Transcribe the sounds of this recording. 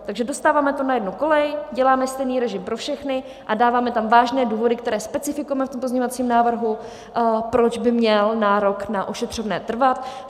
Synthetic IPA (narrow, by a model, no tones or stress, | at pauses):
t̪aɡʒɛdo̞st̪aːvaːmɛt̪onajɛdnuko̞lɛjɟɛlaːmɛst̪ɛjniːɾɛʒɪmpɾo̞fʃɛxnɪ | ʔadaːvaːmɛt̪amvaːʒnɛːduːvo̞dɪkt̪ɛɾɛːspɛt͡sɪfɪkujɛmɛft̪ompo̞zɲeɲovat͡siːmnaːvr̩ɦu | pɾo̞d͡ʒbɪmɲɛlnaːɾo̞knaʔoʃɛt̪r̝̥ovnɛːt̪r̩vat̪